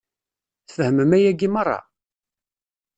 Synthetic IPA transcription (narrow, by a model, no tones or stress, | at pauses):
θfəhəməmæjæɡimɑrˤːɑ̰